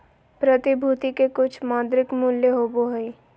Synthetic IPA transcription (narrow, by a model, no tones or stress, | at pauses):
pɾət̪ɪbʱuːt̪ikekʊt͡ʃʰmaːd̪ɾɪkmuljəɦoːboɦəi